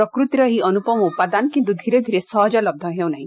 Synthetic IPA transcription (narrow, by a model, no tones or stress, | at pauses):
ɾɔkɾut̪jɾɔɦiɔnupɔmɔupad̪ankint̪̬ud̪ʱiɾed̪ʱiɾesɔɦɔd͡ʒɔlɔb̚d̪ʱɔɦewnaɦĩ